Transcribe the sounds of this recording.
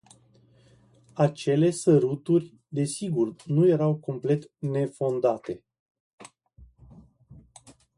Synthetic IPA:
at͡ʃe̞le̞səɾut̪urʲ | d̪e̞siɡurnuje̞ɾawko̞mple̞t̪ne̞fo̞nd̪at̪e̞

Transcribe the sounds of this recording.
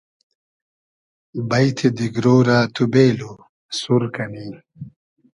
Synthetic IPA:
bɐjt̪ʰed̪iɡɾoːɾat̪ʰubeːlo | suɾkɐniː

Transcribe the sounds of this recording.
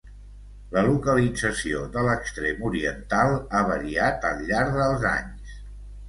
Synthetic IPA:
ləlukəlid͡zəsioðələkst̪ɾemuɾiənt̪alˠaβəɾiat̪ə̰lˠʎːaɾðəlˠza̰ɲs

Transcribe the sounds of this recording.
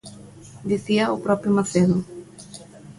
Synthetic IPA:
d̪iθiɐʊpɾɔpjʊmaθeðʊ

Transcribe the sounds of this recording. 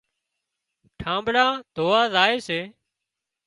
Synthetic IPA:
ʈʰãːmbɽãːd̪ʱoːʋaːzaːeːseː

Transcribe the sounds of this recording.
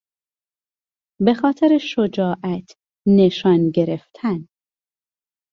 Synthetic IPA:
be̞xɒːt̪ʰeɾeʃod͡ʒɒːʔæt̪ʰ | neʃɒːnɟe̞ɾeft̪ʰæn

